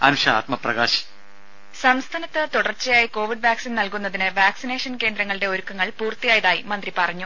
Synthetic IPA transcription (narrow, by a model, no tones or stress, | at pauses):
ɐ̰nuʂɐa̰ːt̪mɐprɐɡaːɕɐ̥ | sɐmst̪ʰaːnɐt̪ːɨt̪uɽɐrt͡ɕːɐjaːjiko̞ːʋiɖʋaːksinnɐlkunːɐðinɨʋaːksine̞ːʂɐnke̞ːnd̪ɾɐŋːɐɭiɽe̞o̞ɾukːɐŋːɐɭpuːrt̪ːijaːjɐðaːjimɐnd̪ripɐrɐɲːu